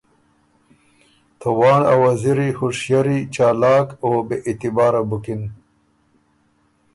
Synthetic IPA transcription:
t̪ʰawɑːnawɐziɾixoʂjaɾit͡ʃaːlɑːkoːbeʔit̪ibaːɾabukin

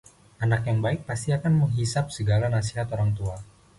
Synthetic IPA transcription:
ʔanakjaŋbaɪk̚past̪iakanməŋɦisap̚səɡalanasiɦat̪oɾaŋt̪ua

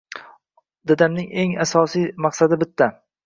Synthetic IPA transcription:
d̪ad̪amnɪŋe̞ŋasɒsijmɑqsad̪ɪbɪt̪ʰːa

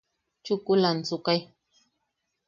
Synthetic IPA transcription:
t͡ʃʊkulant͡sukaj

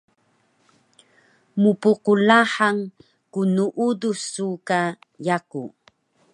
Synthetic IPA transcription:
mupuqulaħaŋ | kunuʔudusuka | jaku

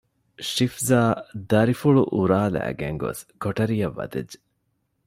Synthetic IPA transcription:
ʃifzaːd̪ɐɾifuɭuʔuɾaːlæ̰ːɡeŋɡo̰skoʈɐɾijɐʋːɐ̰d̪ed͡ʒːe̥

